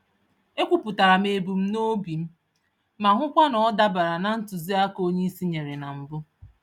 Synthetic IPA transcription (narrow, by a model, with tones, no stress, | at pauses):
e˦kʷu˨pʊ˨ta˨ɾa˨me˨bu˨m̩˦no˦bi˨m̩˦ | ma˨ɦʷʊ˦kʷa˦nɔ˨ɔ˦da˦ba˨ɾa˨na˨n̩˦tʊ˨zi˦a˦ko˦ɲe˦i˦si˦ɲe˨ɾe˨na˨m̩˨bʊ˦